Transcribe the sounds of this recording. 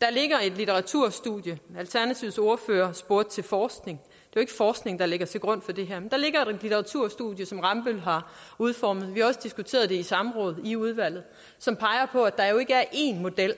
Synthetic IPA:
d̥ɑ̈le̝ɡ̥ɐe̝d̥lit͡sʰeʁɑ̈t͡sʰuɐ̰sd̥ṵðˠjəælt͡sʰæɐnæt͡sʰiʊso̝ːɐfø̰ːɐsb̥o̝ɐd̥̚t͡sʰe̝lfɒːsɡ̥ne̝ŋ | d̥e̝jo̝e̝ɡ̥əfɒːsɡ̥ne̝ŋd̥ɑ̈le̝ɡ̥ɐt͡sʰe̝ɡ̥ʁɔ̽n̰̥fɒ̽d̥e̝ɦæɐmend̥ɑ̈le̝ɡ̥ɐe̝e̝d̥lit͡sʰeʁɑ̈t͡sʰuɐ̰sd̥ṵðˠjəsɒ̽mʁɑ̈mb̥ølɦɑ̈uð̞ˠfɒːmð̞̩ˠʋihɑ̈ɒ̽səd̥isɡ̥ut͡sʰe̝̰ːɐð̞̩ˠd̥e̝isɑ̈məʁɔ̽ːð̞̩ˠiuð̞ˠʋæl̰ð̩ˠ | sɒ̽mpʰɑ̈ɪɐpʰɒ̽æd̥ɑ̈jo̝e̝ɡ̥əæɐʔe̝̰nmo̝d̥el̰

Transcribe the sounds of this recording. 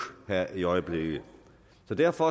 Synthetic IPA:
hæɐ̰ʔiɒ̽ɪəb̥le̝ɡ̥ə | sɒ̽d̥æɐfɒ̽

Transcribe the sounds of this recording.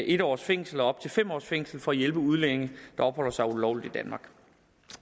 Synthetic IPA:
ʔe̝d̥ɒ̰ːsfeŋ̰sl̩ɒɒ̽b̥̚t͡sʰe̝lfem̰ɒ̰ːsfeŋ̰sl̩fɒ̽æjelb̥əuð̞ˠlene̝ŋəd̥ɑ̈ɒ̥hɒ̽l̰ɐsɑ̈ɪulɒʊ̰lid̥id̥ænmɑ̈ɡ̥

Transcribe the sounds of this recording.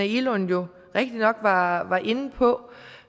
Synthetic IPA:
æilɔnjo̝ | ʁɛɡ̥̚d̥inɒ̽ɡ̥ʋɑ̈ʋɑ̈ʔe̝nəpʰɒ̽

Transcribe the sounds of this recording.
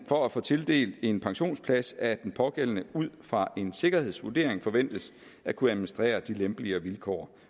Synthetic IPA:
fɒ̽æfɔ̰ːt͡sʰe̝ld̥e̝̰ːld̥e̝npʰɑ̈ŋɕo̝̰ːnspʰlæsæd̥enpʰɒ̽ɡ̥el̰ənəuð̞̰ˠfʁɑ̈ʔe̝nse̝ɡ̥ɐhe̝ð̞̰ˠsʋuɐd̥e̝ɐ̰e̝ŋfɒ̽ʋen̰d̥əs | ækʰuæmnisd̥ʁɛ̰ːɐd̥ilemb̥liɐʋilkʰɒ̰ːɐ

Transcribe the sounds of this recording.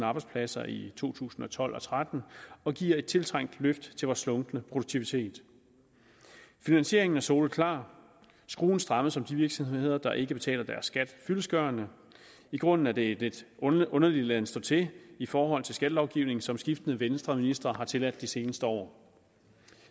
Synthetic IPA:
ɑ̈ːb̥ɑ̈ɪ̥spʰlæsɐʔit͡sʰo̝̰ːt͡sʰṵːsn̩ɒ̽t͡sʰɒ̽l̰ɒ̽t͡sʰʁad̥n̩ɒ̽ɡ̥iɐ̰e̝d̥̚t͡sʰe̝lt͡sʰʁɑŋ̰d̥løfd̥t͡sʰe̝ʋɒslɔ̽ŋd̥nəpʰʁo̝d̥u̥t͡sʰiʋit͡sʰe̝̰ːd̥ | finænsɕe̝ɐ̰e̝ŋn̩æɐso̝ːlð̩ˠkʰlɑ̰̈ː | sɡ̥ʁo̝̰ːn̩sd̥ʁɑ̈məðˠsɒ̽md̥iʋiɐɡ̥sɒ̽mhee̝ð̞̰ˠɐd̥ɑ̈ʔe̝ɡ̥əb̥e̝t͡sʰɛ̰ːlɐd̥æɐsːɡ̥æd̥fyləsɡ̥ɶːɐnə | iɡ̥ʁɔ̽n̰n̩æd̥e̝ded̥ɔ̽nɐlid̥lænsd̥ɔ̰ːt͡sʰe̝ifɒːɦɒ̽l̰t͡sʰe̝lsɡ̥æd̥lɒʊɡ̥iʊne̝ŋn̩sɒ̽msɡ̥ifd̥ənəʋensd̥ʁɐminisd̥ʁɐɦɑ̈t͡sʰe̝læd̥ːise̝ːnəsd̥əɒ̰ː

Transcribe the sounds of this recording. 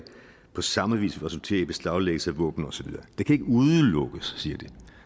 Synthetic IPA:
pʰɒ̽sɑ̈məʋḭːsʋiʁɛsult͡sʰe̝̰ːɐib̥e̝sd̥ɑ̈ʊleɡ̥əl̩səæʋɔ̰̽ːb̥n̩ɒ̽sɒʋiðˠɐːd̥e̝kʰæe̝ɡ̥əuðˠəlɔ̽ɡ̥əsːiɐd̥i

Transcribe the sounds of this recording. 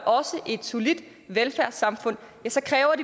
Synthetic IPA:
ʔɒ̽səʔe̝d̥so̝lid̥ | ʋelfæɐsɑ̈mfɔ̽n̰ | jæsɒ̽kʰʁɛːʊɐɾ̥i

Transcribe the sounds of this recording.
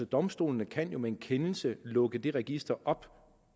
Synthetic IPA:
ɒd̥ɒ̽msd̥o̝̰ːlənəkʰæn̰jo̝mee̝nkʰenl̩səlɔ̽ɡ̥əd̥e̝ʁɛɡ̥isd̥ɐʔɒ̽b̥

